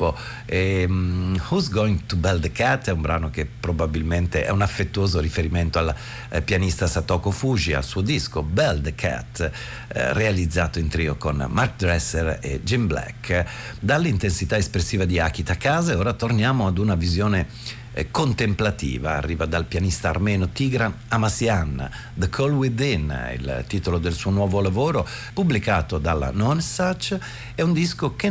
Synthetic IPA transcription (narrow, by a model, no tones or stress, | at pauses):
o | e | huzɡoiŋt̪ubɛld̪kat̪ːɛumbɾaːnok̟epːɾobabilment̪eʔɛ̰unafːet̪ːuoːzoɾifeɾiment̪oal | pjanist̪asat̪ɔkofuʒia̰lsuːod̪iskobɛld̪kʰa̰t̪ː | realid̪zːaːt̪oint̪ɾiːokonmark̚d̪ɾɛsːeɾḛd͡ʒimblɛ̰kː | d̪alːint̪ensit̪aespɾesːiːvad̪iak̟it̪akːaːzeoːɾat̪ornjaːmoad̪unavizjoːne | kont̪emplat̪ḭːva̰ːrːiːvad̪alpjanist̪a̰ːrmɛːnot̪iɡɾan | amasjan̰ | d̪əkʰolwid̪inḭlt̪iːt̪olod̪elsuːonwɔːvolavoːɾo | publikaːt̪od̪alːa̰nɔnsat͡ʃ | ɛund̪iskoke